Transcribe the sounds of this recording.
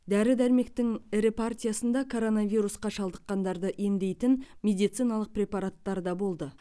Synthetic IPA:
d̪æɾɪd̪æɾme̞k̚t̪ɪŋɪɾepʰart̪ʲijasənd̪ɑkʰo̞ɾo̞navijɾusqɑʃɑlˠd̪əqːɑnd̪ɑɾd̪əʔe̞nd̪e̞jt̪ɪnmʲe̞d̪ijt̪sijnɑlˠəq̚pɾʲe̞pɑɾat̪ːɑɾd̪ɑbo̞lˠd̪ə

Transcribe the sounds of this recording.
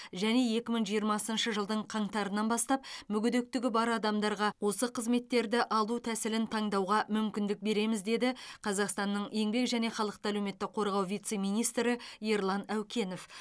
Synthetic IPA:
ʒæne̞je̞kʲɪməɴʒijəɾmɑsənʃəʒəlˠd̪əɴqʰɑɴt̪ɑɾənːɑnbɑst̪ɑpmʏɡʲʏd̪e̞k̚t̪ɪɡʲɪbɑɾɑd̪ɑmd̪ɑɾʁɑwo̞səqʰəzme̞t̪ːe̞ɾd̪ɪʔɑlˠut̪ʰæsɪlɪnt̪ʰɑɴd̪ɑwʁɑmʏmkʲɪnd̪ɪk̚be̞ɾe̞mɪzd̪e̞d̪ɪqʰɑzɑqst̪ɑnːəɴje̞ŋbe̞kʒæne̞χɑlˠəq̚t̪əælewme̞t̪ːɪkqʰo̞ɾʁɑwvijt̪se̞mijnijst̪ɾɪjeɾlˠɑnæwkʲʰe̞no̞f

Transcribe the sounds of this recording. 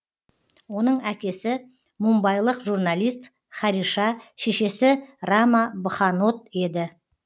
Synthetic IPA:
wo̞n̪əɴækʲe̞sɪ | mumbɑjlˠəqʒurnalʲijst̪ | χɑɾiʃɑʃe̞ʃe̞sɪrɑmɑbəχɑno̞t̪̚e̞d̪ɪ

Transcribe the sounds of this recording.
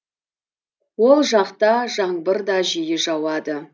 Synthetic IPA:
wo̞lˠʒɑqt̪ɑʒɑɴbəɾd̪ɑʒijɪʒɑwɑd̪ə

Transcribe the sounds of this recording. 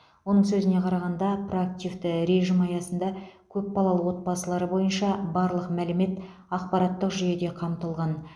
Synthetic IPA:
wo̞nəɴsɵzɪne̞qʰɑɾɑʁɑnd̪ɑpro̞ak̚t̪ʲivt̪ɪɾe̞ʒimɑjɑsənd̪ɑkʲʰɵpbɑlˠɑlˠəwo̞t̪̚bɑsəlˠɑɾəbo̞jənʃɑbɑɾlˠəqmælɪme̞t̪ | ɑq̚pɑɾɑt̪ːəqʒyje̞d̪e̞qʰɑmt̪əlˠʁɑn

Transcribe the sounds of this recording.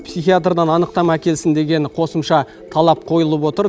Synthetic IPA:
psijxʲijat̪rd̪ɑnɑnəqt̪ɑmækʲe̞lsɪnd̪e̞ɡʲe̞ɴqʰo̞səmʃɑ | t̪ʰɑlˠɑp̚qʰo̞jəlˠəpwo̞t̪əɾ

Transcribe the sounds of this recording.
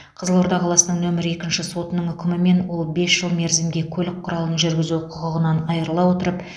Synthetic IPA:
qʰəzəlˠwo̞ɾd̪ɑqʰɑlˠɑsənəŋnɵmɪɾɪje̞kʲɪnʃɪso̞t̪ənəɴʏkʲɪmɪme̞nwo̞lˠbe̞sʒ̥əlˠme̞ɾzɪmɡʲe̞kʲʰɵlɪk̚qʰːʊɾɑlˠənʒʏɾɡʲɪzuqʰʊʁəʁənɑnɑjəɾəlˠɑwo̞t̪əɾəp

